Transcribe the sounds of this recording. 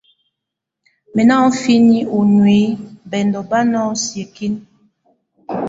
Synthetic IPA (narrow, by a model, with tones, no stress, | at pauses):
me˨na˦fi˦ni˦u˨nwe˨˦bɛ˨ndɔ˨ba˦nɔ˦sje˨ki˦n